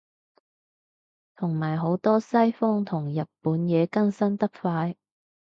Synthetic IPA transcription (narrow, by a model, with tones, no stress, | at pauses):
t̪ʰʊ˨˩ŋmaː˨˩jɦo˨˥wt̪ɔː˥sɐ˥jfɔ˥ŋt̪ʰʊ˨˩ŋjɐ˨t̚puː˨˥njɛː˨˧kɐ˥nsɐ˥nt̪ɐ˥k̚faː˧j